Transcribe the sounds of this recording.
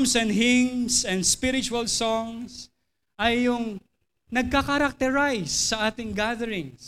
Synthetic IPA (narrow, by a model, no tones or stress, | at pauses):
msɛnd̪hɪŋsɛ̃nd̪spɪɾɪt͡ʃʊɐlsɔŋs | ʔɐjːʊŋ | nɐɡ̚kakɐɾak̚t̪ɛɹajsːɐʔaːt̪ɪŋɡaðɛɾɪ̃ŋs